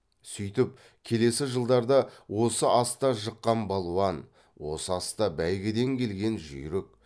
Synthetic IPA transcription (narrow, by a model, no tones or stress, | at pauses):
sʏjt̪ɪp̚ | kʲʰe̞le̞sɪʒəlˠd̪ɑɾd̪ɑwo̞səʔɑst̪ɑʒəqːɑnbɑlˠuɑn | wo̞səɑst̪ɑbæjɡʲɪd̪e̞ŋkʲʰe̞lɡʲe̞nʒʏ̰jɾɪk̚